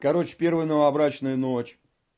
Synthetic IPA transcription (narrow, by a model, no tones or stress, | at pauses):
kɐɾo̞t͡ɕɪ̥pʲe̞rvɨjnəvɐɐbɾat͡ɕnɨjənot͡ɕ